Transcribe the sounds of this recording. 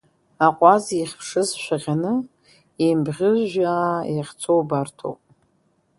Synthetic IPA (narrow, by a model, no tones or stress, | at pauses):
aqʷʼaziiχʲpʰʂɨzʃᶣʷaʁʲanɨ | imbʁʲɪʒʷᶣaiχʲt͡sʰowbartʰo̰wpʼ